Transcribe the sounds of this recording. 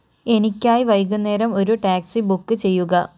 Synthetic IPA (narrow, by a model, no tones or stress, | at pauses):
e̞nikʲːaːjiʋɐjk̬ːunːe̞ːɾɐmo̞ɾuʈaːksibukːɨt͡ɕe̞jːuɣɐ